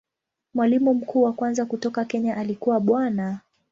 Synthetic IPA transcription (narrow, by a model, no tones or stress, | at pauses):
mwalimum̩kʰuːwakwanzakutɔkakɛɲaʔalikuwaɓwana